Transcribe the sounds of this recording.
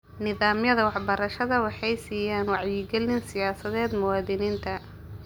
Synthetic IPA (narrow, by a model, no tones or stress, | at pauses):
nɪðaːmjɐðɐwɑħbɐɾɐʃɐðɐwɑħɑjsiːjaːnwɑʕjɪɡɛlɪnsɪjaːsɐðɛːd̪mʊwaːðɪniːnt̪ʰɐ